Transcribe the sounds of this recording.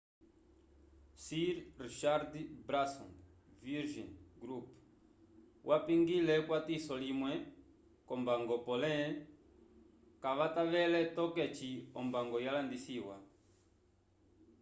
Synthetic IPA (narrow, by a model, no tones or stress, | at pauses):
siɾriʃaɾdbɾasɔ̰n | viɾʒɔnɡɾup | wʔapiŋɡilɛkwatisɔlimwɛ | kɔmbaŋɡɔpɔlɛ | kaʋataβɛlɛtɔkɛt͡ʃiɔmbaŋɡɔjalandisiwa